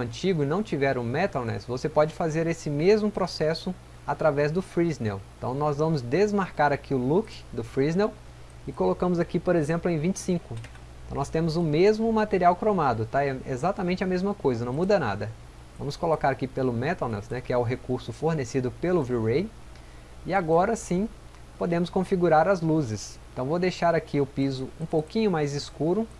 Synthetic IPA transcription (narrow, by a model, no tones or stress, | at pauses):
ɐ̃nt͡ʃiɡʊnɐ̃w̃t͡ʃivɛɾʊ̃mɛt̪alnɛ̰svosepɔd͡ʒɪfazeɾesɪmezmʊpɾosɛsʊ | at̪ɾavɛzd̪ʊfɾiznɛweẽt̪ɐ̰̃w̃nɔzvɐ̃mʊzd̪ezmaɾkaɾakʰiʊlukd̪ʊfɾiznew | ɪkolokɐ̃mʊzakipoɾezẽmplʊẽj̃vĩnt͡ʃɪ̥sĩkʊ | ɐ̃w̃nɔst̪ẽmʊzʊmezmʊmat̪eɾiawkɾomad̪ʊt̪aɛḛzat̪amẽnt͡ʃɪɐmezmɐkojzɐnɐ̃w̃mud̪ɐna̰d̪ɐ | vɐ̃mʊskolokaɾakipelʊmɛt̪alnɛsnɛkɪɛʊɦekuɾsʊfoɾnesid̪ʊpelʊviɾej | ɪaɡɔɾɐsĩ | pod̪ẽmʊskõfiɡuɾaɾɐzluzɪsẽt̪ɐ̃w̃vowd̪ejʃaɾakʰiʊpizʊũpowkĩɲʊmajzɪskuɾʊ